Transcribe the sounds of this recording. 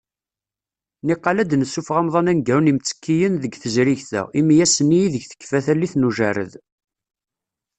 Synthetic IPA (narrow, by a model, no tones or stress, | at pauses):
niqːɑlæd̪nəsːufʁɑmðˤɑnænɡæwnimt͡sːə̥kːijənðəɡθəzɾiʝθæ̰ʁimijæsənːijiðəçθə̥kːfæθælːiθnuʒæɾə̰ð